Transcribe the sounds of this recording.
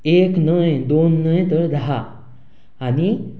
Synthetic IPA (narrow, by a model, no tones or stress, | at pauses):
eknəjd̪onːəjt̪əɾd̪aɦaː | ñi